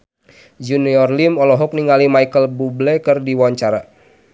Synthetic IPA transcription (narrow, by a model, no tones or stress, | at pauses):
d͡ʒuniɔrlimɔlɔɦɔk̚niŋalimaikəlbublɛkɨrdiwaɲt͡ʃaɾa